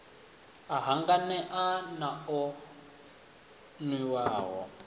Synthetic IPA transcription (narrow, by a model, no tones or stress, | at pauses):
aɦaŋɡanɛʔanaɔ | nwiwaːɦɔ̰